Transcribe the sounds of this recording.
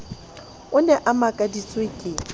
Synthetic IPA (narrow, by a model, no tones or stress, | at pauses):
ʊnɛʔamakʼadit͡sʼwekʼɪ